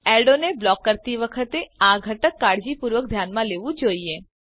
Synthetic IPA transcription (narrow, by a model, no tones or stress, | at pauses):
ɛɖoneblɔːkːəɾt̪iʋəkʰət̪eaɡʱəʈəkːaːɽd͡ʒipuːɾʋək̚d̪ʱjaːnmãleːʋũd͡ʒoːie